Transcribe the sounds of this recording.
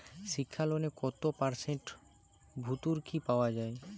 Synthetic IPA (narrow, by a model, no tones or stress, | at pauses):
ʃikʰːalonekɔt̪opaɾseɳʈ | bʱut̪uɾkʰipaoad͡ʑae